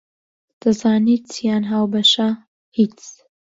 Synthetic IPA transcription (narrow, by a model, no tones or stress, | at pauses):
d̪̥ɐzaːnit͡sijaːnɦaːwbɐʃa | hit͡s